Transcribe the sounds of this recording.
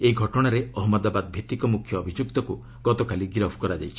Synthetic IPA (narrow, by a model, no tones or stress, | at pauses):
eiɡʱɔʈɔɽ̃aɾeɔɦɔmɔd̪abad̪bʱet̪ikɔmukʰjɔːbʱid͡ʒukt̪ɔku | ɡ̥ɔt̪ɔkaliɡɾɔbʰʱkɔɾad͡ʒajt͡ʃʰi̥